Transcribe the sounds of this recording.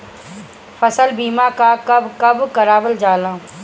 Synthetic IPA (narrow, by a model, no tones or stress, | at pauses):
fɐsəlbiːmakakɐbkɐbkɐɾaːbəld͡ʒaːlãː